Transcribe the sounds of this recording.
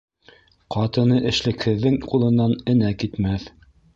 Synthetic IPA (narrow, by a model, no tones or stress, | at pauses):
qʰɑt̪ɤ̆nɤʔɘ̆ʃlɘ̆khɘ̆ðːɘŋqulˠɤ̆nːɑnɘ̆nækit̪mæθ